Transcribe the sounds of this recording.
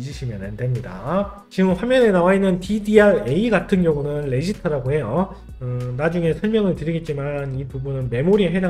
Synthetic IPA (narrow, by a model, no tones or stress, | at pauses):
d͡ʑɯɕʰimjʌnandemɲida̰ | t͡ɕiɡɯmɸwamjʌne̞nawainːɯntidiae̞iɡatʰɯnɡjʌŋunɯnɭe̞ɕʰitʰɯɾaɡoɦe̞jo | ɯnad͡ʑuŋe̞sʰʌɭmjʌŋɯɭtɯɾiɡe̞t̚t͡ɕ͈imanipubunɯnme̞moɾieɦeda